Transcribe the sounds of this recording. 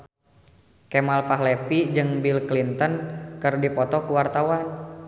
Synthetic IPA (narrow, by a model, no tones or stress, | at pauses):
kɛmalpaɦlepid͡ʒɨŋbilklint̪ənkɨrdipɔt̪ɔkuwart̪awan